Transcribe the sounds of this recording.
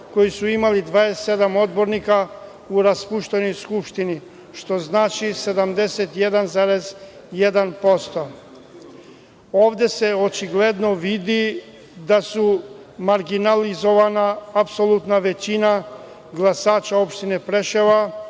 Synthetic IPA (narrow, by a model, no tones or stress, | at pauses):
ko̞jisuimalid̪ʋaːeed̪amo̞d̪bo̞ɾnika | uɾaspuʃt̪eno̞jskupʃt̪ini | ʃt̪o̞znaːt͡ʃise̞d̪amd̪eset̪je̞d̪anzaːɾez | jed̪anpo̞st̪o | oːʋd̪e̞se̞ot͡ʃiɡled̪noʋid̪i | d̪asumaɾɡinalizo̞ʋanaːpsolˠut̪naʋe̞t͡ɕina | ɡlˠasaːt͡ʃao̞pʃt̪inepɾeʃeʋa